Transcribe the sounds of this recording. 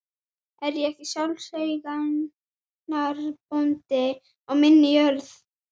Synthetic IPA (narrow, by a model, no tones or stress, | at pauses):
ɛɾjɛɛhc̪ɪsjawlsejɣa | aɾpunt̪ɪ | ɔɣmɪnːɪjœɾθ